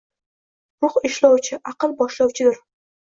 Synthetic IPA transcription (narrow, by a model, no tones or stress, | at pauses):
ɾʊχɪʃlɒwt͡ʃʰɪʔɑqɨlˠbɒʃlɒwt͡ʃʰɪd̪ɪɾ